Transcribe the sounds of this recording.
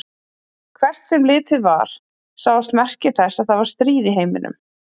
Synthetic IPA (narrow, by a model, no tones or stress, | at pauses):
kʰvɛr̥t̪sɛmlɪːt̪ɪðva̰ɾ̥ | saːwðɪst̪mɛr̥cɪθɛsːaðθaðvaɾ̥st̪ɾiːðiɦeːjmɪ̰nʏ̰m